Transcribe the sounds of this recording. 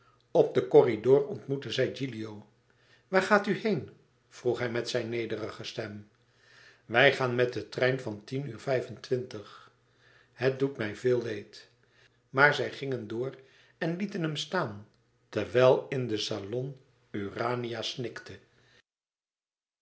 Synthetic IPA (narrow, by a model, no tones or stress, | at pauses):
ɔp̚dəkɔridʊːrɔntmutəzɛjd͡ʒilijow | ʋaːɹχaːtyhejn | v̥ruχɦɛjmɛtsɛjnːejdərəχəstɛm | ʋɛjχaːnmɛt̚dətrɛjnvɑntinyːɹvɛjfəntʋɪntəχ | ɦət̚dutmɛjvɪːlˠʋejt | maːɹzɛjχɪŋəndʊːr | ɛnlitənɦəmstaːn | tɛɹʋɛlˠɪndəsalɔn | yraːnijasnɪktə